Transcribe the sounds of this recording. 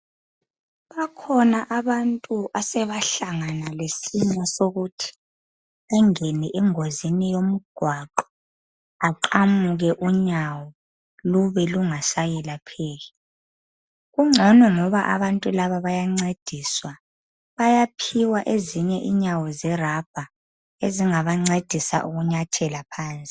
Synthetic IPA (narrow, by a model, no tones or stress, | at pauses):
βakʰɔnaʔaβantʼuʔasɛβaɬaŋanalesiɲasoɣutʰi̥ | aŋeniʔɛŋozinijom̩ɡ̥ʱwaǃɔ | aǃamuɣɛʔuɲawɔ | luβɛluŋasajɛlapʰeːɣɛ | ɣuŋ͡ǀʱɔnɔŋɔβaʔa̰βantʼulaβaβajaŋ͡ǀed̥ʱiswa | βajapʰiwaʔeziɲɛʔiɲawɔzɛrab̥ʱa | eziŋaβaŋ͡ǀed̥ʱisa̰ʔuɣuɲatʰɛlapʰaːnt͡sʼi